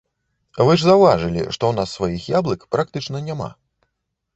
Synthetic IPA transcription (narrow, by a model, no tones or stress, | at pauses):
vɨʐzawvaʐɨlʲḭʂt̪ɔwnasːvajixjablˠɨkpɾak̚t̪ɨt͡ʂnɐnʲama̰